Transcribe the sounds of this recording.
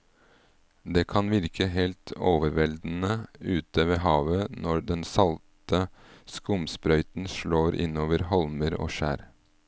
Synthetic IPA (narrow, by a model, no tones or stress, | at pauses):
d̪eːkʰɑnʋɪɾkʰəɦeːlt̪ʰoːʋəɾʋɛld̪n̩əʉːt̪əʋeːɦɑːʋənɔd̪ɛnsɑlt̪əskʊmspɾœʏt̪n̩ʃɭoːɾʔɪ̰noːʋəɾhɔlməɾo̰ːʃæ̰ːɾ